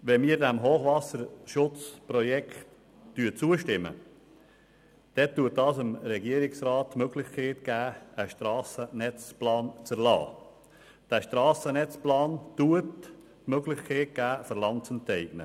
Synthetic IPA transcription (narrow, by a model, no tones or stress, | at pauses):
ʋɛmiːɾdæmɦoːχvɑsəɾʃʊt͡sprɔjɛkt | tyt͡suːəʃtɪmə̰ | d̥ɛtːuət̚dɑːsəmɾɛɡiəɾɪksrɑːt̚tːmøɡlɪχkʰeːtɡ̥æːəʃtɾɑːsənɛt͡splɑːnt͡səɾlɑ̰ː | d̥æːʃtɾɑːsənɛt͡splɑːntuətː | møɡlɪχkʰeːt̚ɡ̥æːfəɾlɑnt͡səntɛɪɡ̥nə